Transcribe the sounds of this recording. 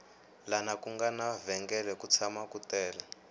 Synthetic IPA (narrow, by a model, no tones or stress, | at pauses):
lanakuŋɡanavɛŋɡɛlɛkut͡sʰamakutɛːla